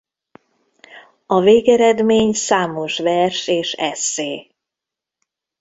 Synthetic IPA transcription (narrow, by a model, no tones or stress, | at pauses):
ɒveːɡɛɾɛd̪meːɲsaːmo̞ʃvɛrʃeːʃɛsːeː